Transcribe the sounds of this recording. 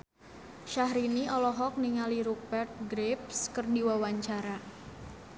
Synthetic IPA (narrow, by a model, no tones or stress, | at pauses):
ʃahɾiniʔɔlɔɦɔk̚niŋaliɾuk̚bɛrt̪̚ɡɾep̚skərdiwawaɲt͡ʃaɾa